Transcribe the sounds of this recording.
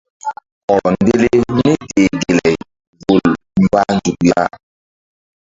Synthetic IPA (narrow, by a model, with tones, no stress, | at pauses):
ɔ˨n˦de˦le˦ni˦te˨ɡe˨lɛ˨j | vo˨l | m̩˦ba˦n˦d͡ʒu˨k̚ja̰˦